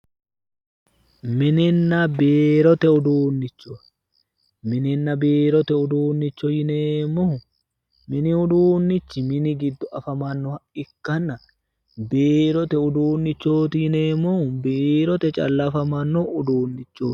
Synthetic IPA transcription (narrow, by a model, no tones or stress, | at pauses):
mɪnɪnːɐbeːɾɔt̪ɛʊd̪uːnːɪt͡ʃːɔɐ | mɪnɪnːɐbeːɾɔt̪ɛʊd̪uːnːɪt͡ʃːɔjɪnemːɔʊ | mɪnɪʊd̪uːnːɪt͡ʃːɪmɪnɪɡɪd̪ːɔʔɐfɐmɐnːɔhɐɪkːɐnːɐ | beːɾɔt̪ɛʊd̪uːnːɪt͡ʃːo̞ːt̪ɪjɪneːmːɔʊbeːɾɔt̪ɛt͡ʃʼɐ̰lːɐfɐmɐnːɔʊd̪uːnːɪt͡ʃːo̥ː